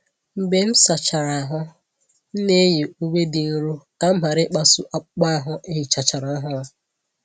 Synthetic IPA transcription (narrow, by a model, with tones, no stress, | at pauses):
m̩˨be˦m̩˦sa˨t͡ʃa˨ɾa˨a˨ɦʊ˦ | n̩˦ne˦je˨u˦wʷe˦dɪ˨n̩˦ɾu˦ | a˦ma˨ɾɪ˦k͡pa˦sʊ˦ʔa˦k͡pa˦a˨ɦʊ˦ʔe˦i˨t͡ʃa˨t͡ʃa˨ɾa˨a˦ɦʊ˦